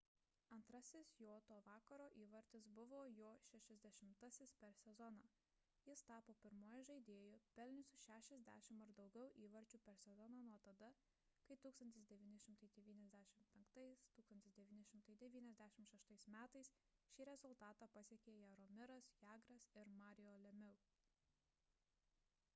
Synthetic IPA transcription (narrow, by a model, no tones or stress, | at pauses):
ɐnt̪ɾɐsʲɪsjoːt̪oːʋɑːkɐɾoːʔiːʋɐɾʲt̪ʲɪsbʊʋoːjoːʃʲɛʃʲɛzʲd̪ʲɛʃʲɪmt̪ɐsʲɪspʲɛɾsʲɛzɔnɑː | jɪst̪ɑːpoːpʲɪɾmuːjʒɐɪd̪ʲeːjʊpʲɛlʲnʲʊsʲʊʃʲæːʃʲɛzʲd̪ʲæ̰ːʃʲɪmɐɾd̪ɐʊɡʲɛʊʔiːʋɐɾʲt͡ʃʲupʲɛɾsʲɛzɔnɑːnuɔt̪ɐd̪ɐ | kɐɪt̪uːkst̪ɐnʲt̪ʲɪsd̪ʲɛʋʲiːnʲɪʃʲɪmt̪ɐɪd̪ʲɛʋʲiːnʲɛzʲd̪ʲæːʃʲɪmpʲɛŋkt̪ɐɪst̪uːksɐnt̪ʲɪsd̪ʲɛʋʲiːnʲɪʃʲɪmt̪ɐɪd̪ʲɛʋʲiːnʲɛzʲd̪ʲæʃʲɪmʃʲɛʃt̪ɐɪsmʲæːt̪ɐɪs | ʃʲiːɾʲɛzʊlˠt̪ɑːt̪ɑːpɐsʲiɛkʲeːjɛɾɔmʲɪɾɐsjæːɡɾɐsɪɾmɑːɾʲɪjoːlʲɛmʲɪʊ